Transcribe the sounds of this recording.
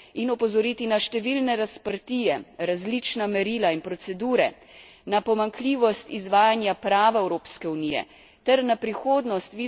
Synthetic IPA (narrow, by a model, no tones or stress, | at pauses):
inɔpɔzɔɾiːt̪inaʃt̪ɛʋilnɛɾaspəɾt̪iːjɛɾazlit͡ʃnamɛɾiːlainpɾɔt̪sɛd̪uːɾɛ̰ | napɔmaŋkliːʋɔst̪izʋaːjanjapɾaːʋaɛwɾoːpskɛunijɛ̰ | t̪ɛɾnapɾixoːd̪nɔst̪ʋi